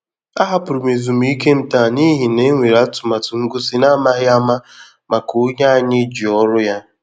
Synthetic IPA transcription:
a˦ɦa˦pʊ˨ɾʊ˨me˨zu˨m˦i˦ke˦m̩˨ta˦˨ni˦ɦi˨ne˨˦ŋʷe˨ɾa˦tʊ˨ma˨tʊ˨ŋ̩˦ɡʊ˦si˦na˦ma˦ɦɪ˦a˦ma˦ | ma˨kʊ˦ɲa˦a˨ɲɪ˦d͡ʒi˨ɔ˦ɾʊ˦ja˦

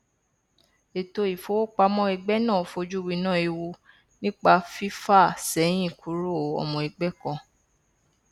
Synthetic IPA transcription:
e˨to˧i˨fo˧˦wo˦k͡pa˧mɔ̃˦i˧ɡ͡bɛ˦nãː˦˨fo˧d͡ʒu˦wi˧˦nã˦˨i˧wo˧ | nĩ˦k͡pa˧fi˦fa˦˨sɛ˨˦j̃ĩ˦˨ku˨˦ɾo˦˨˦ɔ̰˧˨mɔ̃˧i˧ɡ͡bɛ˦kɔ̃˧

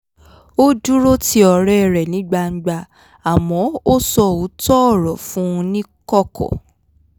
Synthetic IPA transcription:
o˦du˦ɾo˦ti˦ɔ˧ɾɛ˦˨ɾɛ˨nĩ˨˦ɡ͡ba˧n̩˦ɡ͡ba˧ | a˨mɔ̃˨˦o˦sɔ˧u˨˦tɔ˦ɔ˦˨ɾɔ˨fũ˦˧nĩ˦kɔ˦kʰɔ̰˨

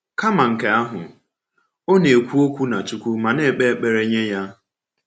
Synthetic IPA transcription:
ka˦ma˨ŋ̩˨ke˨a˦ɦʊ̰˨ | o˦ne˨kʷu˦o˦kʷu˦na˨t͡ʃu˦kʷu˦ma˨ne˨k͡pe˦k͡pe˨ɾe˦ɲe˦ja˦

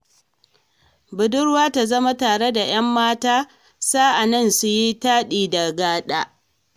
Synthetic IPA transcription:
bʊ˨dʊ˦ɽwaː˦ta˨zɐ˦ma˦taː˨ɽe˦da˨j̰ɐ˦mːaː˦taː˦ | saː˦ʔa˨nɐ˦˨nsʊ˦ji˦taː˦ɗiː˨da˨ɡaː˦ɗaː˦

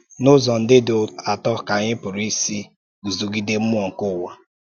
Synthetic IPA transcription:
nʊ˦zɔ˨n̩˨dɪ˦da˨tɔ˦˨ka˨ɲɪ˦pʊ˨ɾi˦si˦ | ɡu˨zu˨ɡi˨de˦m̩˦m˦ɔ˨ŋ̩˨kʊ˦˨wa˨

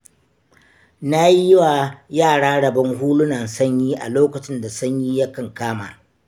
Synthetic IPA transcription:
na˦ji˦wa˨jaː˦˨ɽaː˦ɽɐ˨bɐ˦ŋɦuː˦lʊ˦nɐ˨nsɐ˦ɲjiː˦ʔa̰˨loː˦kɐ˨t͡ʃɪ˦nda˨sɐ˦ɲjiː˦ja˦kɐ˨ŋkaː˦ma̰ː˨

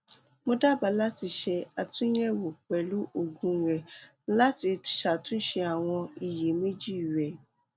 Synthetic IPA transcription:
mõ˦da˦˨ba˨˧la˦ti˧ʃɛ˧a˨tũ˦jɛ̃˦wo˨k͡pɛ˨lu˦ʔo˦˨ɡũ˧˦ɾɛ˨˦ | la˦ti˧˨ʃa˨tũ˦n̩˦ʃɛ˧a˨w̃ɔ̃˧i˨je˨me˦d͡ʒi˦˨ɾɛ˨

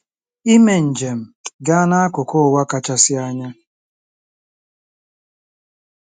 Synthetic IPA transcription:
i˦me˨n̩˨d͡ʒe˨m̩˨ɡa˦na˦a˦kʊ˨kʊ˦˨wa˦ka˦t͡ʃa˦sɪ˦a˦ɲa˦

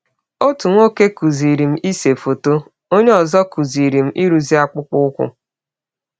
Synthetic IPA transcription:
o˦tu˨ŋʷo˦ke˦ku˨zi˨ɾi˨m̩˦ʔi˦se˨fo˨to˦ | o˦ɲe˦ɔ˨zɔ˦ku˨zi˨ɾi˨m̩˦ʔi˦ɾu˨zi˦a˦k͡pʊ˦k͡pʊ˦kʷʊ̰˦

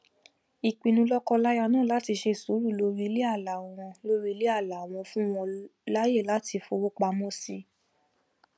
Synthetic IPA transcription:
i˧k͡pĩ˧nũ˧˦lɔ˦kɔ˧la˦ja˧nãː˦˨la˨˦ti˧ʃe˧˨su˨˦ɾu˦˨lo˨˦ɾi˦le˦a˦˨la˨˦˨w̃ɔ̃˧lo˦ɾi˦le˦a˦˨la˨w̃ɔ̃˧fũ˦w̃ɔ̃˧la˦je˦˨la˨˦tʰi˧fo˧wo˦k͡pa˧mɔ̃˦si˦

